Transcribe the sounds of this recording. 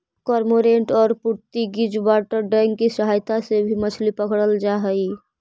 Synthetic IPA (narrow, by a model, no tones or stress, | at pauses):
kɔɾmoɾeɳʈɔːɾpuɾt̪iɡid͡ʒbaʈəɾɖɛŋɡkisəɦajt̪asebʱimət͡ʃʰlipəkʰɽəld͡ʒaɦəj